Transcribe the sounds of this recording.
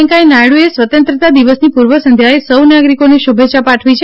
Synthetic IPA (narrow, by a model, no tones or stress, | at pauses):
ŋkajnaɽuesʋət̪ənt̪ɾət̪ad̪iʋəsnipuɾʋəsənd̪ʱjaesəwnaɡɾikoniʃubʱeːt͡ʃapaʈʰʋit͡ʃʰe